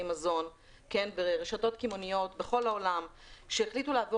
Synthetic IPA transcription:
imazo̞n | ke̞nbeʁeʃato̞tkimonijo̞tbeχo̞laolam | ʃeːχlituleavo

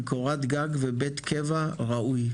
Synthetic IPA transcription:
koʁat̪ɡaɡvebet̪kʰevaʁauj

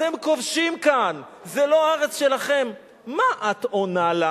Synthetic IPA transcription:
temkovʃimkanzelo̞aaʁet͡sʃe̞laχe̞mː | aʔat̪onala

